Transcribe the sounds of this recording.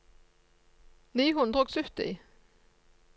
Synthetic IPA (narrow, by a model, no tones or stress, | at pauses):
niːɦʊnd̪ʁɔːɡsʉːt̪ḭː